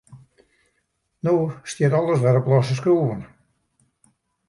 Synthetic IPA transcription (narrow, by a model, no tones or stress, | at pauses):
noːstitɔlˠəsʋɛɾəplˠɔsəs̬kɾoːvən